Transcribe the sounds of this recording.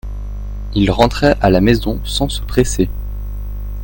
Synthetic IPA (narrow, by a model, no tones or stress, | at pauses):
ilʁɑ̃t̪χɛʔalamezɔ̃sɑ̃sə̥pχese